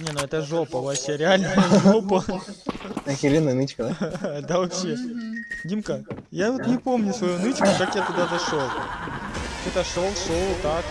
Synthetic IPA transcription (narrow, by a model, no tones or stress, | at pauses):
nʲenuɛt̪əʐopɐʋɐpɕʲeɾʲɪalʲnəʐopə | xʲɪlʲenənɨt͡ɕkəd̪ad̪avɐpɕedʲimkəjavot̪nʲɪpo̞mnʲʊsvɐjunɨt͡ɕkʊkakjat̪ɐɡd̪azɐʂolˠ | ɛt̪əʂolˠʂolˠt̪ak